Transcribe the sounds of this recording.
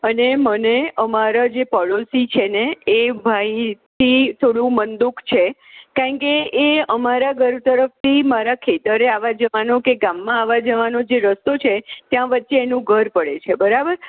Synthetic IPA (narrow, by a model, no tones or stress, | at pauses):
əneməneəmaɾad͡ʒepɔlosit͡ʃʰeneebʱajt̪ʰit̪ʰoɽũmənd̪ukt͡ʃʰekaɳkeːəmaɾaɡʱəɾt̪əɾəft̪imaɾakʰet̪əɾeaʋad͡ʒəʋanokeɡamːãaʋad͡ʒəʋanod͡ʒeɾəst̪ot͡ʃʰet̪jãʋətːʃeːnũɡʱəɾpəɽet͡ʃʰebəɾabəɾ